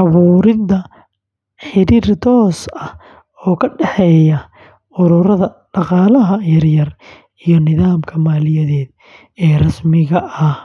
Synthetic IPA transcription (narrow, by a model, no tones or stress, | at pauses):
ʔɑβuːɾɪðɐ | ħɪɾirt̪ʰɔːsɐh | ɔːkʰɐɖɛħɛjɐ | ʊɾʊɾɐðɐ | ɖɑqɑːlɐɦɐjɐrjɐr | ijɔnɪðaːmkʰɐmaːlɪjɐðɛːd̪ | ɛːrɐsmɪɣɐʔɐh